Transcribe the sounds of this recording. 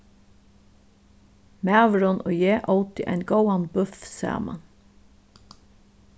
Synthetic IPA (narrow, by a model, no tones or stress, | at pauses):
mæːʋɾɔnʔo̰ːjeːʔoʊt̪ɪʔæ̰ɪnɡowanbʉfsæ̰ːma̰n